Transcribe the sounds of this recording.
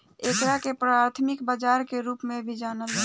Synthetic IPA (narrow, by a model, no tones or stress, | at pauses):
eːkɾakepɾaːɾt̪ʰmɪkbad͡ʒaːɾkeɾuːpmẽbʱid͡ʒaːnəl